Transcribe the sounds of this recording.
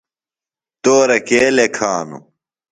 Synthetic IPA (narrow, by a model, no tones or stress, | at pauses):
t̪oːɾɐkeːlekʰaːnṵ